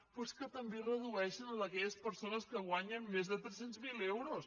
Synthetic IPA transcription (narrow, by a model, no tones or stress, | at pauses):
poskət̪əmberəðuɛʃənələkɛʎəspəɾsonəskəɣ̞waɲənmezðət̪ɾɛsenzmilewɾos